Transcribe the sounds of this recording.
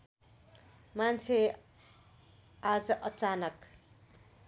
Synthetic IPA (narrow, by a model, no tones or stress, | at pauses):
mant͡sʰe | ad͡zʌʔʌt͡sanʌk